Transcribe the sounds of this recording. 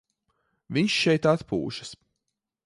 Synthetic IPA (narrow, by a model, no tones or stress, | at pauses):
vʲiɲʃʃɛjt̪at̪pṵːʃɐ̥s